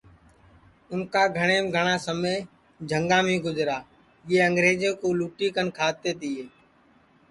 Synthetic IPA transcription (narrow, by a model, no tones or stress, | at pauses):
ʊnkaːɡʱəɽ̃eːmɡʱəɽ̃aːsəmej | d͡ʒʱəŋɡãːmĩːɡʊzɾaː | jeːə̃ŋɡɾeːd͡ʒẽːkoːluːʈiːkənkʰaːt̪eːd̪ɪeː